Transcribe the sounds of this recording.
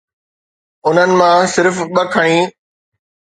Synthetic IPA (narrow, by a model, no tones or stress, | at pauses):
ʊn̤ənɪ̆mãsɪɾfɓɐkʰəɽ̃ĩː